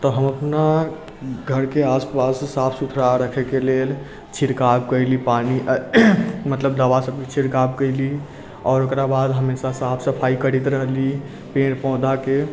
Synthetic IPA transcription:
t̪ɔɦəməpna | ɡʱəɾkeaspassapʰsut̪ʰɾaɾəkʰɛkelel | t͡ʃʰiɾkab̚kəɪlipani | mət̪ləbd̪aʋasəb̚ket͡ʃʰiɾkab̚kəɪli | ɔːɾokɾabad̪ɦəmesasapʰsəpʰaikəɽit̪ɾəɦli | pẽɽpɔ̃ʊd̪ʱake

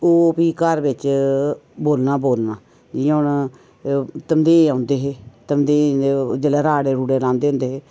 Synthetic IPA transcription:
oːpiːkəɾbɪt͡ʃ | boːlnaːboːlnaː | d͡ʒĩʊn | t̪əmd̪eːãːʊnd̪eːɦeːt̪əmd̪eːed͡ʒəlɛːɾaːɽeːɾuːɽeːlãːnd̪eːɦʊ̃nd̪eːɦeː

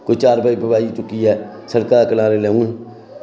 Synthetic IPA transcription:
koit͡ʃaːɾbaːibʱəbaːiːtʊkːiːɛːsəɾkaːkəlãːɾelɛːũːn

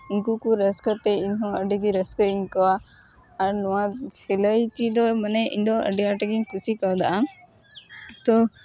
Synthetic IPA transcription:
inkukuɾəskət̪ɛiɲɦɔ̃əɖiɡiɾəskəiɲkawaː | ɾnɔwãsiləjt̪id̪ɔmanɛḭɲd̪ɔʔə̰ɖiaʈəɡiɲkʰusikawd̪aʔa | t̪ɔ

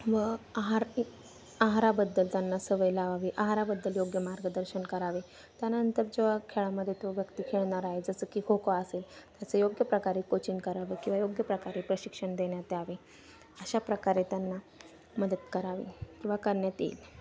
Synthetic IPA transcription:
ʋəaɦaɾ | aɦɾabəd̪ːəlt̪janːasəʋəjlaʋaʋiʔaɦaɾabəd̪ːəljoɡjəmaɾɡəd̪əɾɕənkəɾaʋe | t̪janaəənt̪əɾd͡ʑeʋakʰeɭaməd̪ʱːjet̪oʋjəkt̪iːkʰeɭɳaɾaɦed͡zəsəːkiːhokaəselt̪jat͡səjoɡjəpɾəkaɾikot͡ɕinkəɾaʋekĩw̃ʋajoɡjəpɾəkaɾiːpɾəɕikʂəɳd̪eɳjat̪eaʋe | əɕapɾəkaɾet̪janːa | məd̪əd̪kəɾaʋḭkĩw̃ʋakəɾɳjat̪ḭːl

